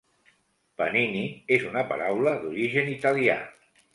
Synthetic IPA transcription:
pəniniezunəpa̰ɾawləðuɾiʒənit̪alia̰

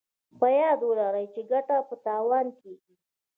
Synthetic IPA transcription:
pəjɑd̪wəlaɾajt͡ʃeɡaʈapət̪ɑwɑnkeɡi

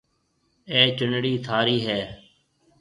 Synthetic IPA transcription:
eːt͡ʃənɽiːt̪ʰaːɾiːɦɛː

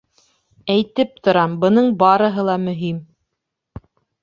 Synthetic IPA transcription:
æjt̪ɘp̚t̪ŏɾɑmbɤ̆nɤɴbɑɾɤ̆ɦɤlˠɑmɵ̆ɦim

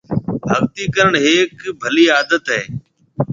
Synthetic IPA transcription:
bʱəɡt̪iːkəɾəɳɦeːkbʱəliːaːd̪ət̪ɦeː

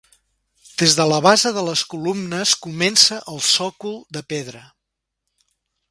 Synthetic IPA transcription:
d̪̥ezðələβazəðələskulumnəskumɛnsəʔəlˠsɔkulˠd̪əpeðɾə

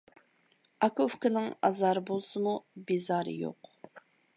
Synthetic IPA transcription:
ɑkufkɪnɪŋɑ̰zɑɾɨbolˠsɨmubizɑːɾɨ̰jo̰q

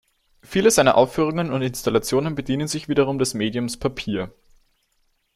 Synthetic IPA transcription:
fiːləzaɪnɐʔaʊfːyːʁ̞ʊŋənʊntɪnstalat͡sjoːnənbədiːnənzɪçv̥iːdɐʁ̞ʊmdɛsmeːdiʊmspʰapʰiːɐ

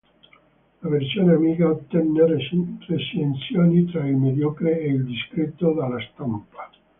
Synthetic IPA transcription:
laversjoːneamiːkaot̪ːɛnːeresent̪sjoːnit̪ɾailmed̪jɔːkɾeeild̪iskɾet̪ːod̪alːast̪ampḁ

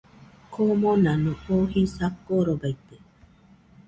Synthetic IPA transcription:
kʰomõnanõohisakːoɾobait̪e

